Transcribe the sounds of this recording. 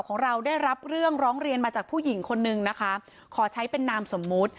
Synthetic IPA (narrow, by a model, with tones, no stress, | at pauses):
wkʰɔː˩˦ŋɾa˧wdaː˥˩jɾa˦˥p̚ɾɯ˥˩əŋɾɔː˦˥ŋɾi˧ənmaː˧t͡ɕaː˨˩k̚pʰuː˥˩ji˩˦ŋkʰo˧nːɯ˧ŋna˦˥kʰa˦˥ | kʰɔː˩˦t͡ɕʰa˦˥jpe˧nːaː˧mso˩˦mːu˦˥t̪̚